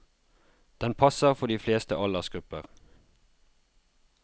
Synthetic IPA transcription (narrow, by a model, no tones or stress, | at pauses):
d̪̥ɛnpʰɑsəʁfɔd̪iːfleːst̪əʔɑlɑsɡ̥ʁʉpəʁ